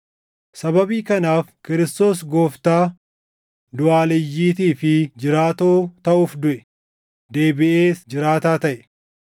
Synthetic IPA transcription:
sɐbɐbiːkɐnaːfkɪɾɪst̪o̞ːs̬ɡoːft̪aː | d̪ʊaːlɪjːiːt̪iːfɪd͡ʒɪɾaːt̪oːt̪ɐʔuːfd̪ʊʔɛ | d̪e̞ːbɪʔeːsd͡ʒɪɾaːt̪aːt̪ɐʔɛ̥

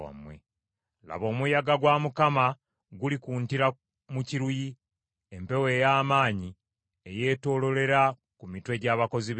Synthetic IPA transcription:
a̰mwḛ | la̰βo̞ːmujaɡaɡwamukama | ɡulikuːntiɾa | muciɾuji | empe̞we̞ːjaːmaːɲi | eje̞ːto̞ːlo̞le̞ɾa | kumitwe̞ɟaːβako̞ziβ

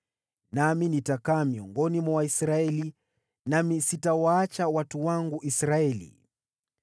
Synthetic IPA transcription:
naminitakaːmiɔŋɡɔnimawaisɾaɛli | namisitawaat͡ʃawatuwaŋɡuʔisɾaɛlḭ

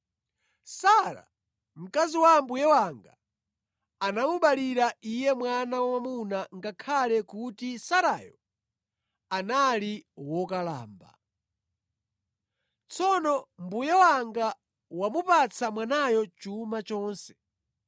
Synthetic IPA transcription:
saɾa̰ | m̩kaziwambujɛwaŋɡa | anamuɓaliɾaijɛmwanawamamunaŋɡakʰalɛkutisaɾaːjɔ | analiwɔkala̰ːmba̰ | t͡sʰɔnɔmbujɛwaŋɡa | wamupat͡sʰamwanajɔt͡ʃumat͡ʃɔːnsɛ̥

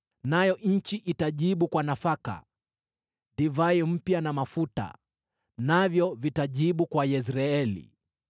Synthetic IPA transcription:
najɔɲ̩t͡ʃiʔitaʄiɓukwanafaka̰ | divaim̩pjanamafuta̰ | navjɔvitaʄiɓukwajɛs̬ɾaɛlḭ

